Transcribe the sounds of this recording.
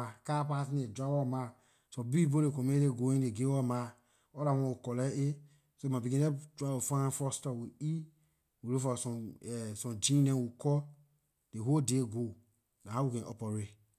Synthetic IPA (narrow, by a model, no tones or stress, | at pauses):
akapas̬ned͡ʒʷawɔma | sobibolekomedeɡoeeɡewɔma | oɾamookɔlee | somabiɡẽed͡ʒʷaofafɔstawei | wuɾofasɔsɔd͡ʒinewukɔ | deɦodeɡo | naawukenʔo̰pɔɾe